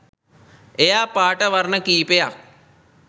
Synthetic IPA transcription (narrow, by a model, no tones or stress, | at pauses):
ejaːpaːʈəʋɐrnəkiːpeja